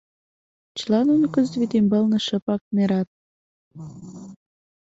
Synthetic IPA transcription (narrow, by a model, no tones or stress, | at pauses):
t͡ɕəlɑnunkəzd̪βit̪imbəlnə̆ʃə̆pɑk̚neɾɑt̪̚